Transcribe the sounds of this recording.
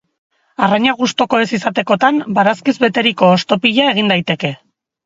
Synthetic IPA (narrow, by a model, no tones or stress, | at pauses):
araɲaɣ̞ust̪o̞ko̞e̞sisat̪e̞ko̞t̪ambaɾaskizβe̞t̪e̞ɾiko̞ːst̪o̞piʎae̞ɣ̞ind̪ajt̪e̞ke̞